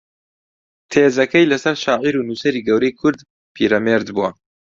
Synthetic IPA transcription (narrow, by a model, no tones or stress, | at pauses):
t̪ʰeːzɐkɐjlɐsɐɾʃaːʕiɾuːnuːsɐɾiːɡɐwɾɐjkʰʊɾd̪ | pʰiːɾɐmeːɾd̪buɐ